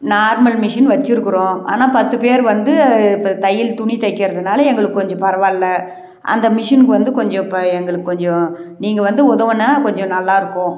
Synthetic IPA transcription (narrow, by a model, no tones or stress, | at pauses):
naːɾmɐlmɪʂɐnʋɐt͡ʃːɯɾɯkːɯɾõːa̰ːnaːpɐt̪ːɯpeːɾʋɐnd̪ɯpːɐt̪ɐjːɪlt̪ʊɳit̪ɐɪkːɪɾɐðɯnaːlɐɛŋɡɐɭɯkːɯkɔɲd͡ʒɔ̃pɐɾɐʋaːllɐ | ʔɐ̰nd̪ɐmɪʂɐnkɯʋɐnd̪ɯkɔɲd͡ʒɔ̃ɪpːɐɛŋɡɐɭɯkːɯkːɔɲd͡ʒɔ̃niːŋɡɐʋɐnd̪ɯɔðɐʋɐnaːkɔɲd͡ʒɔ̃nɐlːaːɪɾɯkːõː